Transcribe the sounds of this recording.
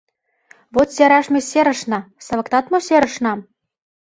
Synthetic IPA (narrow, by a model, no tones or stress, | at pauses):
βot̪sʲeɾɑʃmʲesʲeɾə̆ʃnɑsɤ̆βɤ̆kt̪ɑt̪moseɾə̆ʃnɑm